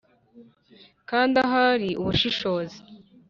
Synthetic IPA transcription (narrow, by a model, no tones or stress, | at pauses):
kaːndaɦaɾiuβuʃiʃo̞ːzi